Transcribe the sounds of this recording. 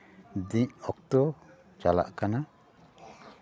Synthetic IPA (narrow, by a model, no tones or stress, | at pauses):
d̪iɲɔk̚t̪ɔ | t͡ʃala̰ʔkana